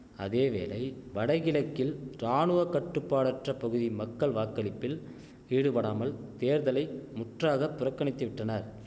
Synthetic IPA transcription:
ɐ̰ðeːʋḛːlɐɪʋɐɽɐɪɣɪlɐkːɪlɾaːnɯʋɐkɐʈːɯpːaːɽɐʈrɐpɐɣɯðimɐkːɐɭʋaːkːɐlɪpːɪl | iːɽɯpɐɽaːmɐlt̪eːɾðɐlɐɪmʊʈraːɣɐpːʊɾɐkːɐɳɪt̪ːɯʋɪʈrɐnɐɾ

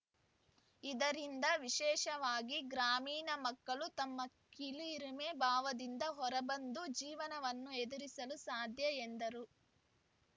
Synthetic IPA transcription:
id̪ɐɾind̪ɐʋiʃɛːʃɐʋaːɡiɡɾaːmiːnɐmɐkːɐɭut̪ɐmːɐ | kiliɾimeːbaːʋɐd̪ind̪ɐɦɔɾɐbɐnd̪ud͡ʒiːʋɐnɐʋɐnːued̪uɾisɐlusaːd̪ʱjɐend̪ɐɾu

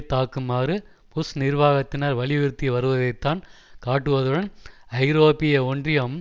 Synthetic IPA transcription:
t̪aːkɯmaːɾɯ | pʊsnɪɾʋaːɣɐt̪ːɪnaːɾʋɐɭɪɪɾt̪ːiʋɐɾɯʋɐðɐɪt̪ːaːnkaːʈːɯʋɐðɯɽɐnɐɪɾoːpɪjɐɔndrɪjɐm

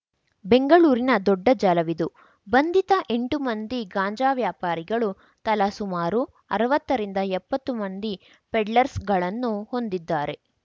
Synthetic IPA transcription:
be̞ŋɡɐɭuːɾinɐd̪ɔɖːɐd͡ʒaːlɐʋid̪u | bɐnd̪it̪ɐʔe̞ɳʈumɐnd̪iɡaːɲd͡ʒaːʋjaːpaːɾiɡɐɭu | t̪ɐlɐsumaːɾu | ɐɾɐʋɐt̪ːɐɾind̪ɐɛpːɐt̪ːumɐnd̪i | pɛɖlɐɾsɡɐɭɐnːuho̞nd̪id̪ːaːɾe̞

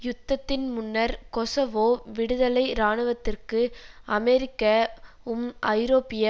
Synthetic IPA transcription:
jʊt̪ːɐt̪ːɪnmʊnːɐɾkɔsɐʋoːʋɪɽɯðɐlɐɪɾaːɳɯʋɐt̪ːɪrkɯʔɐmɛɾɪkːɐ | ʊmʔɐɪɾoːpɪjɐ

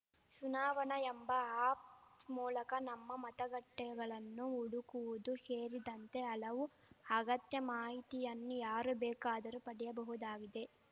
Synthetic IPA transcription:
ʃunaːʋɐɳɐembɐaːpmuːlɐkɐnɐmːɐmɐt̪ɐɡɐʈːɛɡɐɭɐnːuuɽukuʋud̪uheːɾid̪ɐnt̪e̞ɐlɐʋu | ɐɡɐt̪jɐmaːɦit̪ijɐnːujaːɾubɛːkaːd̪ɐɾupɐɽɛjɐbɐɦud̪aːɡid̪e̞

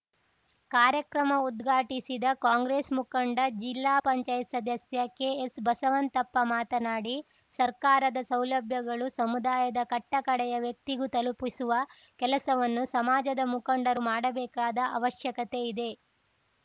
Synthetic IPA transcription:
kaːɾjɐkɾɐmɐud̪ɡʱaːʈisid̪ɐkaːŋɡɾeːsmukɐɳɖɐd͡ʒilːaːpɐɲt͡ʃaːjt̪sɐd̪ɐsjɐkeːesbɐsɐʋɐnt̪ɐpːɐmaːt̪ɐnaːɽi | sɐɾkaːɾɐd̪ɐsɐwlɐbʱjɐɡɐɭusɐmud̪aːjɐd̪ɐkɐʈːɐkɐɽɛjɐʋjɐk̚t̪iɡut̪ɐlupisuʋɐ | kɛlɐsɐʋɐnːusɐmaːd͡ʒɐd̪ɐmukɐɳɖɐɾumaːɽɐbɛːkaːd̪ɐʔɐ̰ʋɐʃjɐkɐt̪e̞id̪e̞

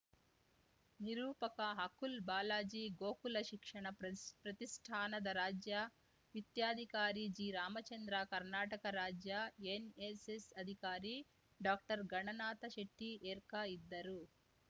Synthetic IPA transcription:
niɾuːpɐkɐɦɐkulbaːlaːd͡ʒiːɡoːkulɐʃikʂɐɳɐpɾɐt̪isʈʰaːnɐd̪ɐɾaːd͡ʒja | ʋit̪jaːd̪ʱikaːɾid͡ʒiːɾaːmɐt͡ʃɐnd̪ɾaːkɐɾnaːʈɐkɐɾaːd͡ʒjaenesesɐd̪ʱikaːɾi | ɖaːk̚ʈɐɾɡɐɳɐnaːt̪ɐʃeʈːieːɾkaid̪ːɐɾu

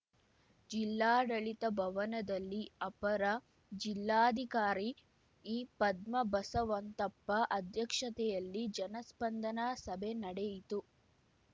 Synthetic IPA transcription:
d͡ʒilːaːɽɐɭit̪ɐbʱɐʋɐnɐd̪ɐlːiɐpɐɾɐ | d͡ʒilːaːɐd̪ʱikaːɾi | iːpɐd̪mɐbɐsɐʋɐnt̪ɐpːɐʔɐd̪ʱjɐkʂɐt̪ɛjɐlːid͡ʒɐnɐspɐnd̪ɐnasɐbʱenɐɽɛjit̪u

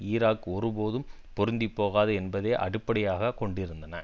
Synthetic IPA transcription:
iːɾaːkːɔɾɯpoːðɯm | pɔɾɯnd̪ipːoːɣaːðɯɛnbɐðeːʔɐ̰ɽɪpːɐɽɪjaːɣɐkɔɳɖɪɾɯnd̪ɐnɐ

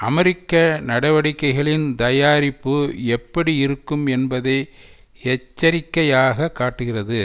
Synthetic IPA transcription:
ʔɐmɛɾɪkːɐnɐɽɐʋɐɽɪkːɐɪɣɐɭɪnt̪ɐjaːɾɪpːɯɛpːɐɽiɪɾɯkːɯmɛnbɐðɐɪ | ɛt͡ʃːɐɾɪkːɐjaːɣɐkːaːʈːɯɣɪrɐðɯ

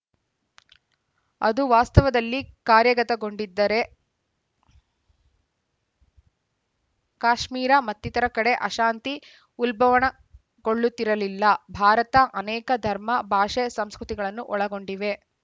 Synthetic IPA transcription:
ɐd̪uʋaːst̪ɐʋɐd̪ɐlːikaːɾjɐɡɐt̪ɐɡo̞ɳɖid̪ːɐɾe̞ | kaːʂmiːɾɐmɐt̪ːit̪ɐɾɐkɐɽe̞ʔɐʃaːnt̪i | ulbʱɐʋɐɳɐ | ɡ̥o̞ɭːut̪ːiɾɐlilːɐbʱaːɾɐt̪ɐʔɐnɛːkɐd̪ʱɐɾmɐbʱaːʂesɐmskɾut̪iɡɐɭɐnːuʔɔɭɐɡo̞ɳɖiʋe̞

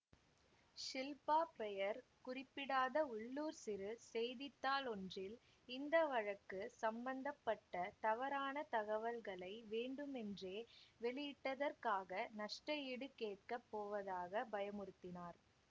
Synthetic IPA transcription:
ʂɪlpaːpɛjɐɾkʊrɪpːɪɽaːðɐʊɭːuːɾsɪɾɯsɛjðɪt̪ːaːlɔndrɪl | ɪnd̪ɐʋɐɻɐkːɯsɐmbɐnd̪ɐpːɐʈːɐt̪ɐʋɐɾaːnɐt̪ɐɣɐʋɐlɣɐɭɐɪʋeːɳɖɯmɛndreːʋɛɭɪjɪʈːɐðɐrkaːɣɐnɐʂʈɐjiːɽɯkeːʈ̚kɐpːoːʋɐðaːɣɐbɐjɐmʊɾɯt̪ːɪnaːɾ

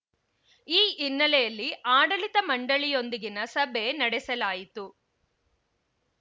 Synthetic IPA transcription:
iːinːɐlɛjɐlːiʔaːɽɐlit̪ɐmɐɳɖɐɭijo̞nd̪iɡinɐsɐbʱe̞nɐɽɛsɐlaːjit̪u

